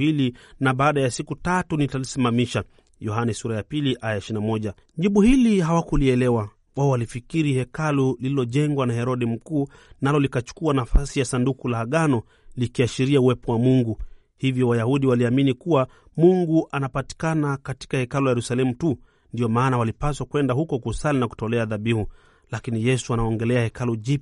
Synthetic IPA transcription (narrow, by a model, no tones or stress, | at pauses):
ilinaɓaːɗajasikutatunitalisimamiʃa | jɔhanɛsuɾajapiliʔajaɛʃinamɔʄa | ʄiɓuhilihawakuliɛlɛwa | waɔwalifikiɾihɛkalulililɔʄɛŋɡwanahɛɾɔɗim̩kuː | nalɔlikat͡ʃu̥kuanafasijasandukulaːɠanɔ | likiaʃiɾiauwɛpɔwamuŋɡu | hivjɔwajahuɗiwaliaminikuwa | muŋɡuʔanapati̥kanakati̥kahɛkalujajɛɾusalɛmutu | ndiɔmaːnawalipaswakwɛndahukɔkusalinaku̥tɔlɛaðaɓihu | lakinijɛsuanaɔŋɡɛlɛahɛkaluʄi